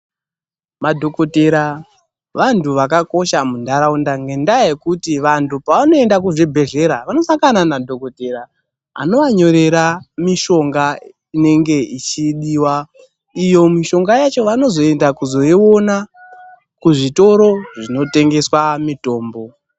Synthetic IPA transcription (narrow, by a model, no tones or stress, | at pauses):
madʱo̞ko̞teɾa | ʋantʰuʋakako̞ʃamundʱaɾaundaŋɡe̞ndajekutiʋantʰupaʋano̞e̞ndakuʐebʱe̞ɮe̞ɾaʋano̞saŋkɡananadʱoko̞teɾa | a̰no̞ʋaɲo̞ɾe̞ɾamiʃo̞ŋɡa | ine̞ŋɡe̞it͡ʃiɗiːwa | ijo̞miʃo̞ŋɡajat͡ʃo̞ʋano̞zo̞e̞ndakuzo̞io̞na | kuʐito̞ɾo̞ʐino̞te̞ŋɡe̞swamito̞ːmbo̞